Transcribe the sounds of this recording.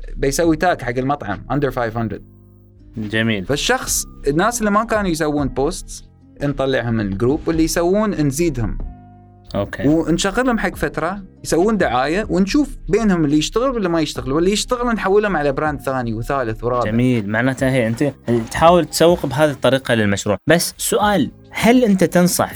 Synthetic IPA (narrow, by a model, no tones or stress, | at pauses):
bɪjsawːit̪aːkħaɡːɪlmɑt̪ˤʕɑ̰mʔand̪əɾfajvhand̪ɾɪ̰d̪̚ | d͡ʒamiːlfaʃːɑxsˤɪnːaːsɪlːimakaːnujs̬awːuːnpoːst̪s | nt̪ˤɑlːɪʕhʊmɪlɡɾuːpwɪlːijsawːuːnnziːd̪hʊ̰m | ʔo̰ːkʰewnʃaɣːɪlhʊmħaɡːfat̪ɾˤɑjsawːuːnd̪ʊʕaːjawnʃuːfbeːnhʊmɪlːijɪʃt̪aɣɪlwlːimajɪʃt̪aɣɪluwɪlːijɪʃt̪aɣɪlnħawːɪlhʊmʕalabɾaːnd̪̚θaːniwθaːlɪθwɾˤɑːamiːlmaʕnaːt̪haheːʔɪnt̪it̪ħaːwɪlt̪sawːɪqbɦaːðit̪ˤːɑɾiːqɑlɪlmaʃɾuːʕbasːsʊʔaːl | halʔɪnt̪at̪ɨnsˤɑ̰ħ